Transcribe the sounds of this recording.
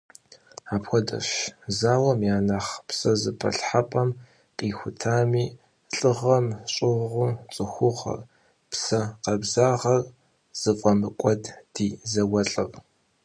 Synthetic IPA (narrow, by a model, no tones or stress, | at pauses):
aːpxʷɔdɐ̰ʃzaːwɐmjaːnaːχpsɐzɨpʰɐ̰ɬħapʼɐm | qʼiːxʷʊtʰaːmiː | ɬʼɨʁɐmɕʼɪʁʁʷʊt͡sʼɨxʷʊʁɐ̰r | psɐqɐbzaːʁɐr | z̥ɨfʼɐmɨkʷʼɔdd̥iːzɐwɐɬʼɨʁ